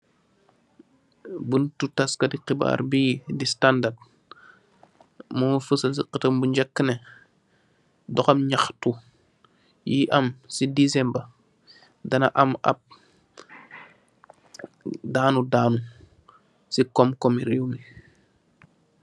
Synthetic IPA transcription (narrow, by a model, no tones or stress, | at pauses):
buntutaskɐdiqiba̰ːɾbiːdistandad̚ | mufəsɐs̬iqətɐmbuɲd͡ʒɐkːənɛ | dɔxɐmɲaxtu | jiʔɐmsidisɛmbɐ | dɐnɐʔɐmɐ̰p̚ | daːnudaːnu | sikɔmkɔmiɾiwmi